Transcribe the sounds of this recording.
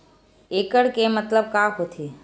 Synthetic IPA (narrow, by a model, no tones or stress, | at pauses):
eːkəɽkemət̪ləb̚kaːɦot̪ʰiː